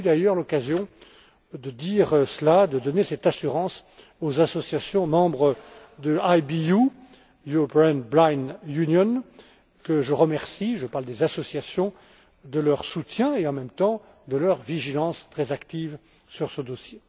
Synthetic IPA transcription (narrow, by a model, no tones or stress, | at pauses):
yd̪ajœʁlɔkazjɔ̃ | d̪əd̪iʁsəlad̪əd̪ɔnesɛt̪asyʁɑ̃s | ozasɔsjasjɔ̃mɑ̃bʁə | d̪əajbiu | jyʁɔpeɛnblajnynjɔn | kəʒəʁəmɛʁsiʒəpaʁld̪ezasɔsjasjɔ̃ | d̪əlœʁsut̪jɛ̃eɑ̃mɛmt̪ɑ̃ | d̪əlœʁviʒilɑ̃st̪χɛzakt̪iv | syʁsəd̪osje